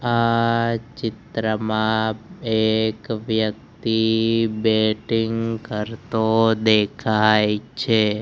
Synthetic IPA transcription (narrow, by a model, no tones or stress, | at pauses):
a | t͡ʃɪt̪ɾəmãekʋjəkt̪ibeʈiŋɡkəɾt̪od̪ekʰajt͡ʃʰe